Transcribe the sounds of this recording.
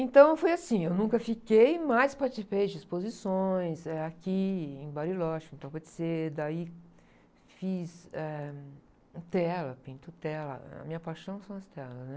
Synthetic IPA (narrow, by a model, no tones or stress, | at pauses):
ẽt̪ɐ̃w̃fojasĩewnũkɐfikejmajspaɾt͡ʃisipejd͡ʒɪispozisõj̃sɛakiẽj̃baɾilɔʃẽt̪ɐ̃w̃ped͡ʒ̪ɪ̥sed̪ai | fisɛ | ũt̪ɛlɐpĩnt̪ut̪ɛlɐ̰ɐ̰mĩɲɐpajʃɐ̃w̃sɐ̃w̃ɐst̪ɛlɐsnɛ